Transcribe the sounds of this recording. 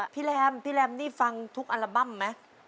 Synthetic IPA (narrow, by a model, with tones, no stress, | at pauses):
pʰiː˦˥˩lɛː˧˥mpʰiː˦˥˩lɛː˧mniː˥˩fa˧ŋt̪ʰu˦˥k̚ʔa˧la˧ba˥˩mːa˦˥